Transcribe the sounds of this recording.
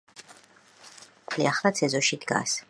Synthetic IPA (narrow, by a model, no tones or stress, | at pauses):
kʰliaχlˠat̪sʰɛzɔʃid̪ɡa̰s